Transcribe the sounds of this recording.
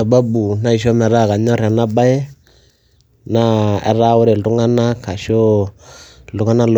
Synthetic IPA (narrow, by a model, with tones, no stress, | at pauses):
a˨ba˦bu˨na˦i˨ʃɔ˦mɛ˨ɾa˦˨ka˨ɲɔ˦ɾa˨na˦ba˦jɛ˦ | na˦ɛ̰˨ɾa˦ʊ˦ɾe˨lu˦ŋa˦na˦ka˨ʃɔ˦ | lu˨˦ŋa˦na˦l